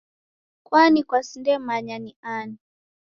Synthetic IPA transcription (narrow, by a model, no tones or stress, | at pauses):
kwanikwasindɛmaɲaniani